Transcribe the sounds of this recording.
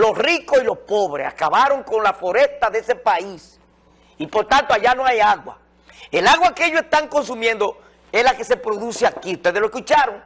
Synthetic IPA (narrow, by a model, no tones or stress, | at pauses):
lo̞srikosilo̞spo̞βɾesa̰kaβaɾo̞ŋko̞nlafoɾest̪aðeese̞pais | ipo̞ɾt̪ant̪oaʝanoajaɣwa̰ | e̞laɣwakeeʝosest̪aŋko̞ns̬umjẽnd̪o | eslake̞sepɾoðuseakiut̪eðeloekut͡ʃaɾoŋ